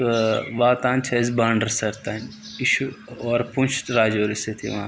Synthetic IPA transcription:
ʋaːt̪ãːnt͡ʃʰɐzbaːɳɖəɾsɐɾt̪aːn | ɪʃuɔːɾpũnt͡ʃʰɾaːd͡ʒoːɾiset̪ʰḭʋɐãː

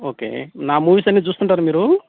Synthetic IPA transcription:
okḛnamuʋisɐnid͡zust̪ənʈaɾmiɾul

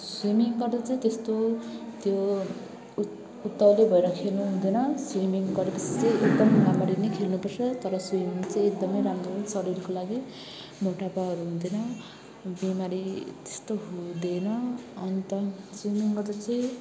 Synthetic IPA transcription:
swemiŋɡʌrd̪at͡sʌĩt̪est̪ot̪jo | ut̪ːʌlebʱʌeɾʌkʰelnuɦũd̪ʌnʌswimiŋɡʌɾepʌt͡sʰi̥t͡sʌĩek̚d̪ʌmɡamaɾinʌjkʰelnupʌrt͡sʰʌt̪ʌɾʌswimiŋt͡sʌĩek̚d̪ʌmʌjɾamrosʌɾilkolaɡi | moʈapaɦʌɾuɦũd̪enʌ | bimaɾit̪e̥st̪oɦũd̪enʌʌnt̪ʌswimiŋɡʌrd̪at͡sʌ̃ĩ

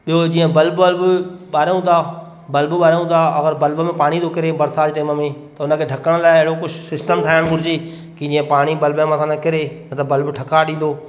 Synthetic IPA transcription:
ɓijod͡ʑiːə̃bɐlbəlbʊɓaːɾjũt̪ʰa | bɐlbʊɓaːɾjũt̪ʰaɐɡəɾbɐlbəmẽpaːɽ̃it̪ʰokɪɾebɐɾsaːd͡ʑʈeːməmẽt̪ɐʊnə̆kʰeːʈʰɐkəɽ̃laːɪɦɪɽokʊt͡ʃʰsɪsʈəmʈ̪ʰaːjɪɽ̃bʊɾɪd͡ʑeː | kid͡ʑĩːə̃paːɽ̃ibɐlbəmasʰãnãkɪɾeʊnət̪ɐbɐlbʈʰɐkaɗĩːn̆d̪oː

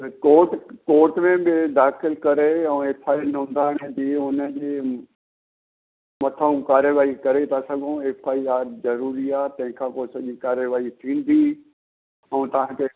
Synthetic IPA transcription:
koːʈkoːʈmẽbɪd̪aːxɪlkɐɾeɛ̃efʰaːinʊ̃ːnd̪ʱaːɽ̃ẽd͡ʑiːʊnəd͡ʑeː | mɐt̪ʰəũkaːɾjəʋaːikɐɾet̪ʰasɐɡʱõeːfʰaːiaːɾzɐɾuːɾiaːt̪ɐ̃ɦɪ̃kʰãːkoːsɐʄikaːɾjəʋaːit̪ʰĩːn̆d̪ʱiː | ɛ̃ːt̪ɐʋ̤ãkʰe

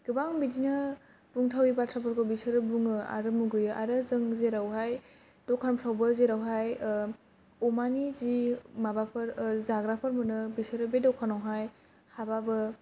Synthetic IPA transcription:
ɡ̥ɯbaŋbidinɯ | b̥uŋtʰawibatʰɾapʰɯɾkʰɔbisɯɾɯbuŋɯa̰ɾɯmuɡɯjɯʔa̰ɾɯzɯŋzeɾawɦaj | dɔkʰanmtʰawbəzeɾawɦaj | umanizimabapʰɯɾzaɡɾapʰəɾmɯnɯbisɯɾɯbedɔkʰanawɦaj | hababɯ

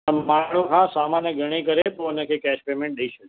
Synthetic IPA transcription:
əmaɳokʰãsamanjəɡʱəɽ̃ikəɾep̪oənə̃kʰekɛʃpeːmẽɳʈ̚ɗəiʃəke

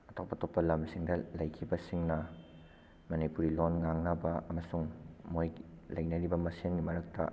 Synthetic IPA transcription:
ɐtʰok̚pɐtopːɐlɐmsiŋdɐlɐjkʰibɐsiŋnɐ | mɐnipuɾilonŋaŋnɐbɐɐmɐsuŋmojlɐjnɐɾibɐmɐsinɡimɐɾɐk̚tɐ̰

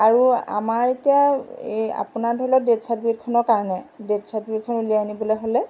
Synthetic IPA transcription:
aɹua̰maɹetijaea̰punaɹdʱɔilɔdetsatbit̚kʰɔnɔɹkaɹɔnɛdetsat̚bit̚kʰɔnuliaanibɔlojɦolɛ

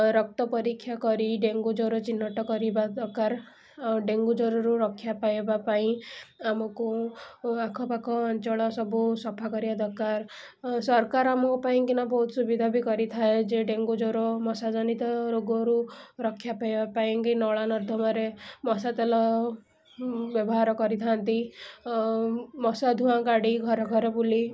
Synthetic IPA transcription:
ɾɔk̚t̪ɔpɔɾikʰːjakɔɾiɖeŋɡud͡ʒoɾɔt͡ʃinːɔʈɔkɔɾibad̪ɔkaɾ | ɖeŋɡud͡ʒɔɾɔɾuɾɔkʰjapajbapaĩamɔku | akʰɔpakʰɔːnt͡ʃɔɭ̃ɔsɔbusɔpʰakɔɾibad̪ʱɔkaɾ | sɔɾkaɾamɔkupaĩkinabɔɦut̪ʰsubid̪ʱabikɔɾit̪ʰaed͡ʒeɖeŋɡud͡ʒoɾɔmɔsad͡ʒɔnit̪ɔɾoɡɔɾuɾɔkʰjapajbapaĩkinɔɭanɔɾd̪ʱɔmaɾemɔsat̪elɔ | bjɔbɔɦaɾɔkɔɾit̪ʰant̪i | mɔsad̪ʱuãkaɽiɡʱɔɾɔɡʱɔɾɔbuli

